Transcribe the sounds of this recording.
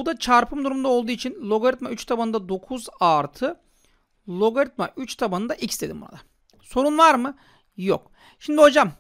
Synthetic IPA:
d̪at͡ʃʰaɾpʰɯmd̪uɾumund̪ao̞lˠd̪uːit͡ʃʰinlˠo̞ɡoɾʲit̪mayt͡ʃt̪ʰabanɯnd̪ad̪o̞kʰuzaɾt̪ʰɯ | lˠo̞ɡaɾit̪ma̰ʔyt͡ʃt̪ʰabanɯnd̪aʔicst̪ed̪imbona̰d̪a | so̞ɾunvˠaɾmɯ | jo̰k | ʃimd̪iɦo̞d͡ʒam

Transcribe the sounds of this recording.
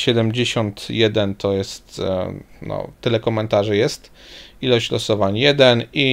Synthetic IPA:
ɕɛd̪ɛmd͡ʑeɕɔnt̪jɛd̪ɛnt̪ɔjɛst̪ | nɔ̰t̪ɘlɛkɔmɛnt̪aʐɘjɛst̪ | ilɔɕt͡ɕlɔsɔvaɲjɛd̪ɛni

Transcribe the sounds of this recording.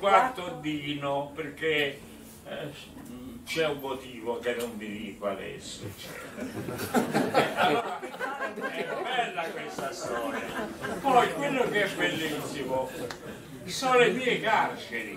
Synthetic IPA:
kwat̪od̪iːnʊperke | t͡ʃɛumːot̪iːvokenːʊnd̪iɾiːpa̰d̪ɛ̰sːoɛ̰t͡ʃːɛ̰t̪ɛɾ | ɛalːɔːɾa | ɛɾbɛlːakwest̪asɔːnɛpɔjkwɪlːʊkeɛbːelːisːimo | sɔlemiːekart͡ʃɪɾi

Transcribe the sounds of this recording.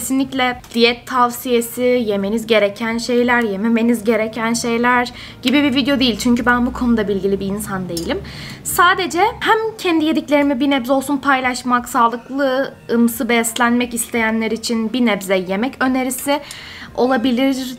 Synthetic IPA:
cʰesinlʲiclʲɛd̪̥ijɛt̪ʰːavsije̞sije̞me̞nizɟe̞ɾecʰænʃe̞jlʲæɾje̞meme̞nizɟe̞ɾecʰænʃe̞jlʲæɾ | ɟ̥ibibivid̪ejo̞d̪ejilʲt͡ʃʰyɲcybænbukʰo̞nud̪abilʲɟilʲibiːnsand̪e̞jilʲim | saːd̪e̞d͡ʒɛhæmcʰɛnd̪ije̞d̪iclʲe̞ɾimibinɛvzo̞lˠsunpʰajlˠaʃmaksaːlˠɯklˠɯɯmsɯbɛslʲænmɛcist̪ʰe̞jænlʲeɾiːt͡ʃʰinbinɛvzɛje̞mɛcø̞ne̞ɾisɪ | o̞lˠabilʲiɾ

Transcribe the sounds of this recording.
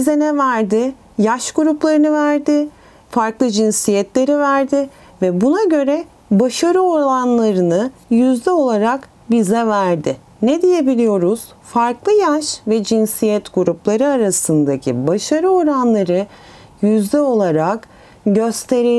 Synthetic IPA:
bizɛnɛvæɾd̪ɪ | jaʃɡ̥uɾuplˠaɾɯnɯvæɾd̪ɪ | faɾklˠɯd͡ʒinsijɛt̪lʲe̞ɾivæɾd̪ɪ | vɛbunaɟø̞ɾɛ | baʃaɾɯo̞ɾanlˠaɾɯnɯjyzd̪ɛo̞lˠaɾak | bizɛvæɾd̪ɪ | nɛd̪ijebilʲijo̞ɾuz̥ | faɾklˠɯjaʃvɛd͡ʒinsijɛt̪ɡuɾuplˠaɾɯaɾasɯnd̪acʰḭbaʃaɾɯo̞ɾanlˠaɾɯ | jyzd̪ɛo̞lˠaɾak | ɟø̞st̪ʰe̞ɾi

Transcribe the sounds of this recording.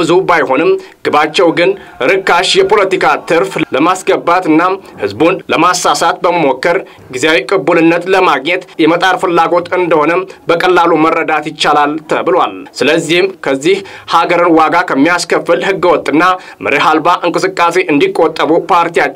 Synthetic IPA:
ɨzubajho̞nɨmɡ̥ɨbat͡ʃːɛwɡɨn | ɨɾɨkːaʃjɛpʰo̞lət̪ikʰat̪ʰɨɾfləmasɡəbːat̪ɨnːahɨzbunləmasːasat̪̚bəməmo̞kːəɾ | ɡizejawikʼɨbːulɨnːət̪ləmaɡɲɛt̪jɛmət̪ʼaɾfɨlːaɡo̞t̪ɨnd̪əho̞nəbəkʼəlːalumərːəd̪at̪jɪt͡ʃːalalt̪ʰə̰bɨlwalsɨləzːihɨmkʰəzːihhaɡəɾɨnwaɡakʰəmːijaskəfːɨlhɨɡːɨwɔt̪ʼːɨnːa | mɨɾeɦalbaʔɨŋkʼɨsɨkʼːase̞ʔɨnd̪ikʼːot̪ʼːəβupʰaɾt̪ija

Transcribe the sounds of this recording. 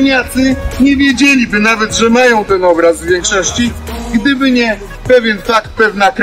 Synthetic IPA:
ɲʲat̪ɘɲɛvʲjed͡ʑelʲibɘnavɛt̪ʐɛmajɔ̃w̃t̪ɛnɔbɾazvvʲjɛŋkʂɔɕt͡ɕiɡd̪ɘbɘɲɛ | pɛvʲjɛnfakt̪̚pɛvnakɾ

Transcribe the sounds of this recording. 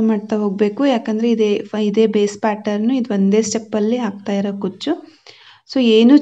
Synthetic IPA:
maːɖt̪aɦo̞ːɡ̚be̞ːkujaːkɐnd̪ɐɾeid̪eid̪e̞ːbe̞ːspaːʈɐɾnuid̪ond̪e̞ːsʈepːɐlːiɦaːɡ̚t̪aːjiɾokut͡ʃːu | soːeːnu

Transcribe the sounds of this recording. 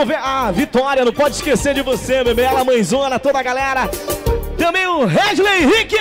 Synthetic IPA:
veɐvit̪ɔɾiɐnɐ̃w̃pɔd͡ʒɪʃkeseɾd͡ʒɪvosememealɐmɐ̃j̃zũɐnɐt̪od̪ɐɡalɛɾɐt̪ẽmẽj̃ʊ̃ɦɛʒlehikɪ

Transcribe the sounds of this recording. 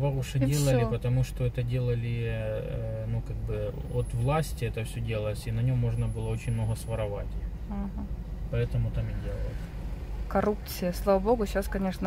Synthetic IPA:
vɐʊʂɛdʲelˠəllʲɪpət̪ɐmuʂt̪oɛt̪ədʲe̞lˠəlʲɪ | nukaɡ̚bɨot̪vlˠasʲtʲɪɛt̪əfsʲɵdʲelˠəsʲinɐnʲo̞mːoʐnəbɨlˠəot͡ɕɪnʲmnoɦəsʋɐɾɐva̰tʲɪ | ɦ̩pɐɛt̪əmʊt̪amɪdʲelˠəlˠsʲ | kɐɾupt̪sɨjəslˠavɐboɡʊɕaskɐnʲe̞ʂnə

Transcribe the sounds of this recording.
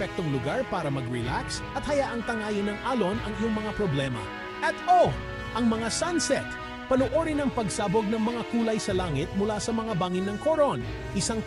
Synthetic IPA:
ɛk̚t̪oŋlʊɡaɹpaːɾɐmɐɡɹɪlaksʔɐt̪̚hɐjaʔɐŋt̪ɐŋaːjɪnːɐŋʔaːlo̞nɐŋɪjoŋmɐŋapɾoblɛmɐ̰ | ʔɐt̪o | ʔɐŋmɐŋasansɛt̪ | pɐnoʔoːɾɪnɐŋpɐɡsaːboɡ̚nɐŋmɐŋakuːlɐjsɐlaːŋɪt̪̚mʊlasɐmɐŋabaːŋɪnːɐŋkoɾon | ʔɪsaŋ

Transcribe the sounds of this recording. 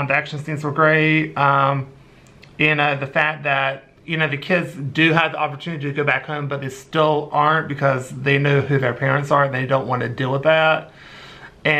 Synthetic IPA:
ðiækʃɨ̃n̩sĩmzwə˞ɡɹeɪtʌ̃m | ɨ̃nʌðɨfæk̚ðɨt̚ | jɨñoʊðɨkʰɪdzdɨəvðiʔɑpə˞tʰʉnɨɾiɾɨɡoʊbækhõʊ̃mbʌt̪̚ðeɪstɪlˠʔɑɹnb̥ɨkʰʌzðeɪnoʊɦʉðə˞pʰɛɹɨ̃ntsə˞n̩ðeɪdõʊ̃nʔwɑ̃nɨdilˠwəðæt̚ | ɨ̃

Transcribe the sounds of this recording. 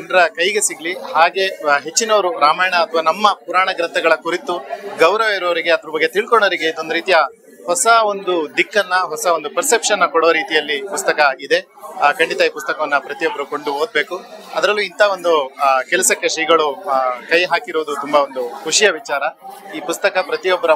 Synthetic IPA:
ɐɳɖɐɾɐkɐjɡesiɡɐlihaːɡe̞ɦe̞t͡ʃːinɐʋɐɾuɾaːmaːjɐɳɐːt̪ʰɐʋaːnɐmːɐpuɾaːɳɐɡɾɐnt̪ʰɐɡɐɭɐkuɾit̪uɡɐwɾɐʋeɾɐʋɐɾiɡe̞ɐd̪ɐɾɐbɐɡːet̪iɭkoɳoːɾiɡe̞id̪ond̪uɾiːt̪ijɐ | hɔsɐo̞nd̪ud̪ikːɐnːɐɦɔsɐo̞nd̪upɐɾse̞pʂɐnːɐkɔɽoːɐɾiːt̪ijɐlːipust̪ɐkɐid̪e̞ | kɐɳɖit̪ɐiːpust̪ɐkɐʋɐnːɐpɾɐt̪ijobːɐɾɐko̞ɳɖuo̞ːd̪̚be̞ːkuɐd̪ɐɾɐlːuint̪ʰɐʋo̞nd̪ukɛlɐsɐkːeʂɐjɡɐɭukɐjɦaːkiɾoʋd̪ut̪umbɐond̪ukʰuʂijɐʋit͡ʃaːɾɐiːpust̪ɐkɐpɾɐt̪ijɔbːɐɾɐ

